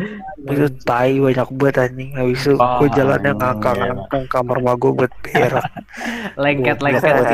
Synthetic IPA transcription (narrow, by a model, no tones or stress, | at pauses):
bit̪ut̪aibaɲak̚buat̪aɲiŋawisuɡuad͡ʒala̰njaŋakaŋaŋkaŋkamarmaɡɔbuat̪̚beɾa | lekɛt̪la